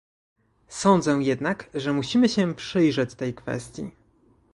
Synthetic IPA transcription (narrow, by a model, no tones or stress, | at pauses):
sɔnd̪zɛjɛd̪nakʐɛmuɕimɘɕɛpʂɘjʐɛt͡ɕt̪ɛjkfɛ̰st̪ʲjḭ